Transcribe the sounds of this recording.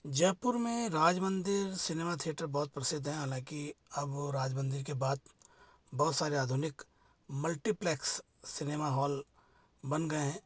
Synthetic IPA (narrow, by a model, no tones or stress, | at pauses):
d͡ʒɛːpʊɾmẽɾaːd͡ʒmə̃nd̪ɪɾsɪneːmat̪ʰijəʈəɾbɔːt̪̚pɾɐsɪd̪ʱɦɛ̃ɦaːlãːkiɐbɾaːd͡ʒmə̃nd̪ɪɾkebaːt̪̚ | bɔːt̪saːɾeaːd̪ʱʊnɪk | mɐlʈiplɛːksː | ɪneːmaɦɔːl | bɐnɡɐeɦɛ̃ː